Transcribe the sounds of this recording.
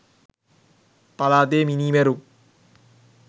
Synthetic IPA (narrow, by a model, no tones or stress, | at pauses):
pɐlaːt̪̬eːminiːmeɾu